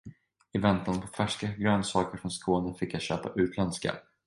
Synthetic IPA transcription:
ɪvɛnt̪anpʰɔfæʂkaɡɾøːnsɑːkəɾfɾɔnskʰoːnəfɪkːjaɕøːpa̰ʔʉ̟ːt̪ʰlɛnska̰

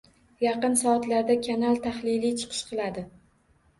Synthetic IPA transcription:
jɑqɨnsɒːt̪laɾd̪akʲʰanalt̪ʰaχlɪjlit͡ʃʰɨ̥qʰɨ̥ʃqʰɨlˠad̪ɪ

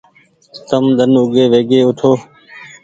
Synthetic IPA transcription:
t̪əmd̪ʱənʊɡeːʋeːɡeːʊt̪ʰoː

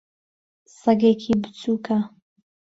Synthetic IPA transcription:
sɐɡeːkʰibɨt͡sʰuːkʰa

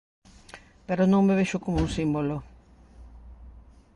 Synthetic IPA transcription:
peɾonõŋmeβeʃʊkomouŋsimbolo

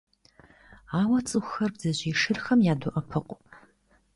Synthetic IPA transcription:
aːwɐt͡sʼɨxxɐrbzɐʑiːʂɨrxɐmjaːdʊʔɐpʰɨqʷʼ

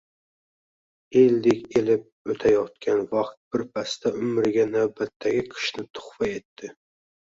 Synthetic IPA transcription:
eld̪ɪkʲelɪp̚ɵt̪ʰajɒt̪̚kʲʰanvɑqt̪̚b̥ɪɾpʰast̪ʰaʔʊmɾɪɡʲanawbat̪ʰːaɡʲɪqʰɨ̥ʃnɪt̪ʰʊ̥χvae̞t̪ʰːɪ

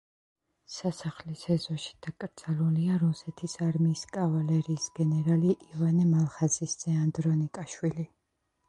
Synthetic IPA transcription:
sasaχlisɛzɔʃi̥d̪̥akʼɾd̪z̥aluliaɾusɛt̪ʰisaɾmiːskʼavalɛɾiːsɡ̥ɛnɛɾaliʔivanɛmalˠχazisz̥ɛand̪ɾɔnikʼaʃwili

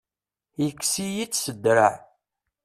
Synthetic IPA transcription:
jəkːsijit͡sːsəd̪ɾaʕ

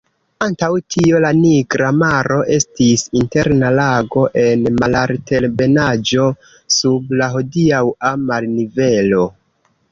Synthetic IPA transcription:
antawtʰio̞laniɡɾamaɾo̞ʔe̞stisinte̞ɾnalaɡo̞ʔe̞nmalaɾte̞lbe̞nad͡ʒo̞ | sublaɦo̞diawamalnive̞lo̞

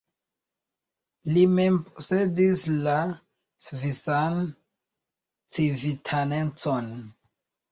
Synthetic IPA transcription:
limempose̞disla | svisan | t͡sivitʰanent͡son

